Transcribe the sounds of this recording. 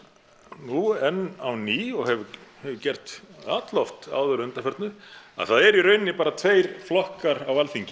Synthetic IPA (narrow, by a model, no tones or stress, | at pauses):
nuɛnːawniːɔɣhɛvʏhɛvʏcɛr̥t̪a̰ːt̪lɔft̪a̰ːwðœɾʏnt̪afɛɾt̪nʏa̰ðθaðɛɾiɾœːɥnɪpaːɾat̪ʰveːjɾ̥flɔhkaɾawalθiɲcɪ